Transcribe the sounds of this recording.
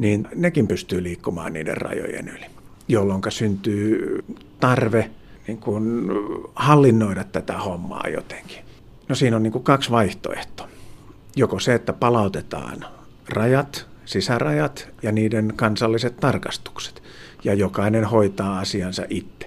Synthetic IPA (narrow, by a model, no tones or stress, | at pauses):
niːnnekimpyst̪yːliːkːumɑ̰ːnnḭːdḛrrɑ̰jo̰jḛnyli̥ | jolːoŋkɑsynt̪yː | t̪ɑrʋeniŋkun | hɑlːinːoidɑt̪t̪æt̪æhomːɑ̰ːjo̰t̪e̥ŋki̥ | nosiːnonniːŋkukɑksʋɑiht̪o̰ḛht̪o̥ | jokoseet̪ːæpɑlɑut̪et̪ɑ̰ːn | rɑjɑt̪sisærɑjɑt̪jɑniːdenkɑnsɑlːiset̪t̪ɑrkɑst̪u̥kse̥t̪ | jɑjokɑinenhoit̪ɑːɑsiɑnsɑ̰ʔit̪ːe̥